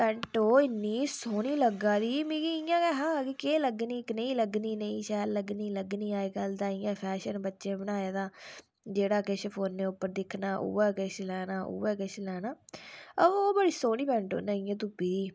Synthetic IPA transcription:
pɛ̃ːɳʈoːɪnːiːsoːniːləɡãːd̪iːmĩːɡiɪjãːkɛɦãːkikeːləɡniːknə̃ĩːləɡniːnəĩːʃɛːlləɡniːləɡniːaːeːɡəld̪aːɪjãːpʰɛːʃənbətːʃẽːbənaːjaːd̪aː | d͡ʒeːɽaːkɪʃpʰoːnːeːʊpːəɾd̪ɪkʰnaːʔṵːɛːkeʃlɛːnaːʔṵːɛːkɪʃlɛːnaːəʋoːbəɽiːsoːniːpɛːɳʈo̰ːnãːɪjãːt̪̬uːpiːd̪iː

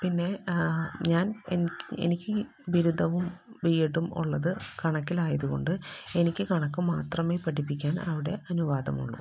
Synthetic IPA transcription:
pinːe̞ | ɲaːnḛniḛnikʲːɨ | ʋiɾud̪ʱɐʋumʋijeʈːumṵɭːɐðɨkɐɳɐkːilaːjɐðuɣo̞̰ɳɖɨe̞nikʲːɨkɐɳɐkːɨmaːt̪rɐmeːpɐʈipːikʲːaːnɐ̰ʋiɽe̞̰ʔɐnuʋaːd̪ɐ̰mṵɭːṵ

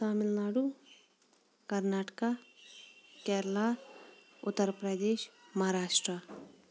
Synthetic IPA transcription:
saːmɪlnaːɽu | kɐɾnaːʈka | kɛːɾla | ʊt̪ːəɾpɾəd̪eːʃmɐɦaɾaːʃʈɾə

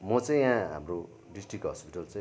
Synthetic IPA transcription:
mʌt͡saĩjãɦa̰mɾo | ɖisʈrik̚ɦʌspiʈalt͡saĩ

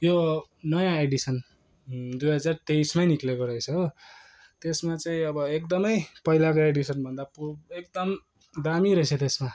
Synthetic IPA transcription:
jonʌjãeɖisʌn | d̪ujɦʌd͡zart̪eismajniklekoɾʌjt͡sʰʌ | t̪esmat͡saĩʌbʌekd̪ʌmʌjpʌɦilakoeɖisʌnbʱʌnd̪apuek̚d̪ʌm | d̪amiɾʌɦet͡sʰʌt̪esma

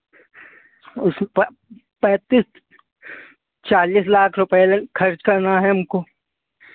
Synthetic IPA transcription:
ʊsmep | pɛ̃ːt̪iːs | t͡ʃaːliːslaːkʰɾʊpekʰɐɾt͡ʃkɐɾnaɦɛʊmko

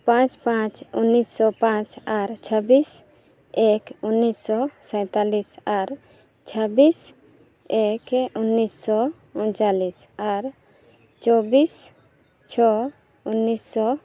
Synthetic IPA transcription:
pãt͡ʃpãt͡ʃunːisːɔpãt͡ʃaɾt͡ʃʰəbis | ekunːisːɔsɛ̃t̪alisaɾ | t͡ʃʰəbis | ekunːisːɔ | unt͡ʃalisaɾ | t͡ʃɔbis | t͡ʃʰɔ | unːisːɔ

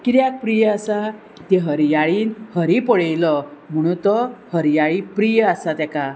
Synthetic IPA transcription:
kiɾjak̚pɾijasa | t̪eɦəɾjaɭiːnhəɾipəɽejlɔm̤əɽ̃ũt̪ɔhəɾjaɭipɾijəasat̪aka

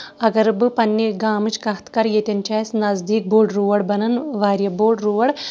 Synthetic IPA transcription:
ɐɡɐɾbɨpɐnːiɡaːmɨt͡ʃkɐht̪kɐɾjet̪ʲɐnt͡ʃaːjɐsnɐzd̪iːk̚boːɖɾuːʋɐɽbɐnɐnʋaːɾjɐboːɖɾuːʋɐɽ

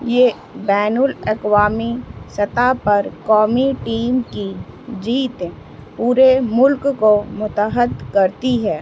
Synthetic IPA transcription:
jeː | bɛːnʊlɐkwaːmisɐt̪apɐɾkɔːmiʈiːmkid͡ʒiːt̪ː | puːɾemʊlkkomʊt̪əɦəd̪kɐɾt̪iɦɛː

